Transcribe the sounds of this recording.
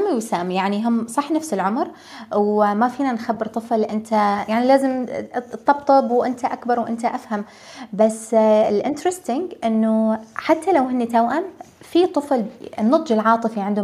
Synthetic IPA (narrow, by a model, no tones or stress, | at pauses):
amːiwsaːmjaʕniɦʊmsˤɑħːnafsɪlʕʊmɾ | wmafiːnanxabːɪɾt̪ˤɨflʔɪnt̪ʰajaʕnilaːzɪmt̪ˤːɑbt̪ˤɑbwʔɪnt̪aʔakbɑɾˤwʔɪnt̪aʔafham | basːɪlʔɪnt̪ɾɪst̪ɪŋɡʔɪnːʊħat̪ːalawɦɪnːit̪awʔam | fit̪ˤɨflnːɑt̪ˤd͡ʒɪlʕɑːt̪ˤɨfiʕɪnd̪ʊ